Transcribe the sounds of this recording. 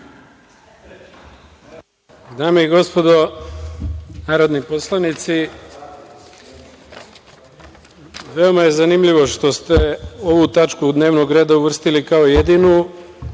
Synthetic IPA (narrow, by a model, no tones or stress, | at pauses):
d̪aːmeiɡo̞spo̞d̪o̞ | naːɾo̞d̪nipo̞slˠanit̪si | ʋe̞o̞maje̞zanimʎiʋo̞ʃt̪o̞st̪eo̞ʋut̪at͡ʃkud̪ne̞ːʋno̞ɡɾe̞ːd̪auʋr̩st̪ilikao̞jed̪inu